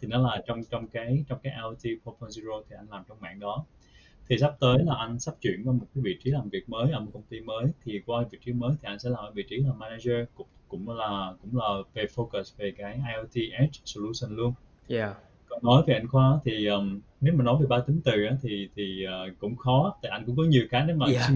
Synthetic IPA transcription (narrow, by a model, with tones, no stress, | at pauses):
t̪ʰi˨˩nɔ˨˦laː˨˩t͡ɕɔ˧wŋ͡mt͡ɕɔ˧wŋ͡mkaː˨˦jt͡ɕɔ˧wŋ͡mkaː˨˦jʔa˧t̪i˧po˧pʰɔ˧nzi˧zo˧t̪ʰi˨˩ʔa˧n̟laː˨˩mt͡ɕɔ˧wŋ͡mma̰ː˧˨ŋɗɔ˨˦ | t̪ʰi˨˩sa˦˥p̚t̪əː˨˦jlaː˨˩ʔa˧n̟sa˦˥p̚t͡ɕwḭ˧˨ənvɔː˧˦mo˨˩t̚kaː˨˦jɓḭ˧˨t͡ɕi˨˦laː˨˩mvi˨˩ək̚məː˨˦jʔəː˧˩mo˨˩kə˧wŋ͡mt̪i˧məː˨˦jt̪ʰi˨˩kwaː˧˩vḭ˨˩k̚t͡ɕi˨˦məː˨˦jt̪ʰi˨˩ʔa˧n̟sɛ̰˧˥laː˨˩mʔəː˧˩ɓḭ˧˨t͡ɕi˨˦laː˨˩maː˧na˧zə˧kkʊ̰˧˥ŋ͡mlaː˨˩kʊ̰˧˥ŋ͡mlaː˨˩ve˨˩fo˧kə˨˩sve˨˩kaː˨˦jʔaː˧jʔɛ˧t̪i˧ʔɛ˦˥t̚so˧lu˧sə˨˩nlu˧ən | kɔ˨˩ŋnɔ˨˦jve˨˩ʔa˧jŋ̟xwaː˧aː˨˦t̪ʰi˨˩ʔəː˨˩mme˨˦˥maː˨˩nɔ˨˦jve˨˩ɓaː˧t̪i˨˦ŋt̪ɨ˨˩ʔaː˨˦t̪ʰi˨˩t̪ʰi˨˩əː˨˩kʊ̰˧˥ŋ͡mxɔ˨˦t̪aː˨˩ʔa˧ŋ̟kʊ̰˧˥ŋ͡mkɔ˨˦ɲi˨˩əwkaː˨˦ne˨˦maː˨˩˧